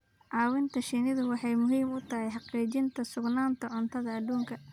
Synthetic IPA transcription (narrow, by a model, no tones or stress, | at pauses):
ʕɑːwɪnt̪ʰɐʃinɪðʊwɑħɑjmʊɦiːmʊt̪ʰɐɦɛjħɑqiːt͡ʃɪnt̪ʰɐsʊɡnaːnt̪ʰɐʕʊnt̪ʰɐðɐːd̪uːŋkʰɐ